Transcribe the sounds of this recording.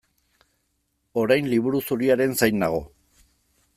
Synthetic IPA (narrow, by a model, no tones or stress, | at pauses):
o̞ɾajnliβuɾusuɾiaɾe̞nsajnaɣ̞o̞